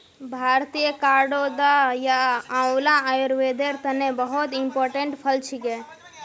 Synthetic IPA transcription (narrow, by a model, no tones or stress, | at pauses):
bʱaːɾt̪ijəkaːɾɖod̪ajaãlãajuɾʋeːd̪eɾt̪ənẽbəɦɔt̪impoːɾʈeɳʈpʰəlt͡ʃʰikɛ